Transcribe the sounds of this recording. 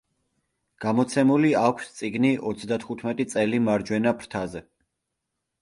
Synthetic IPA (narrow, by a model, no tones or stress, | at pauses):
ɡ̥amɔt̪sʰɛmuliakʷʰst̪sʼiɡniʔɔt̪sʰd̪at̪ʰχut̪ʰmɛt̪ʼit̪sʼɛlimaɾd͡ʒwɛnapʰɾt̪ʰazɛ